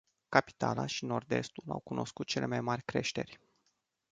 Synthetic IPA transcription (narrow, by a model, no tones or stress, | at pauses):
kapi̥t̪alaʃino̞rd̪e̞̰st̪ula̰wkunʔo̞skut̪̚t͡ʃe̞le̞majmarʲkɾe̞ʃt̪e̞rʲ